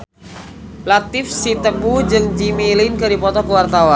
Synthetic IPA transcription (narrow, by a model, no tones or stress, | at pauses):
lat̪ɪfsit̪əŋud͡ʒɨŋd͡ʒimilɪnkɨdipɔt̪ɔkəwart̪awan